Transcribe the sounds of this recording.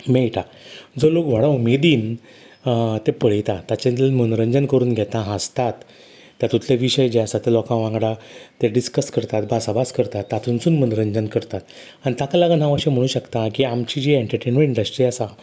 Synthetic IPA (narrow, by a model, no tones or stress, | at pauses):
mejʈa | d͡zolokʋ̤aɽaumed̪iːn | t̪epəɭ̤jt̪at̪at͡ɕẽnm̤əñuɾəɲd͡ʑənkəɾuːnɡʱɛt̪ãɦast̪at̪ː | jat̪ut̪ʰleʋiɕəjd͡ʑeasat̪elɔkãʋãŋɡɽat̪eɖiskəskəɾt̪at̪bʱasabaskəɾt̪at̪ːat̪ʰunsuːnmənuɾəɲd͡ʑənkəɾt̪at̪ | añit̪akalaɡan̤ãʋəɕẽm̤əɽ̃ũːɕəkt̪akiamt͡ɕid͡ʑieɳʈəɾʈenmẽʈiɳɖəsʈɾiasa